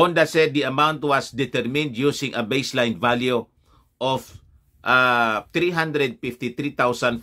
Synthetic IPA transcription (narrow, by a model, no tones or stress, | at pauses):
ɔ̃nd̪asɛd̪̚ːiɐmawnt̪wɐsd̪ɪt̪ɛɹmɪ̃nd̪jusɪ̃ŋʔɐbejslajnvalju | ʔɔf | ʔat̪ɾiɦãnd̪ɾɛd̪̚fɪft̪it̪ɾit̪awsãn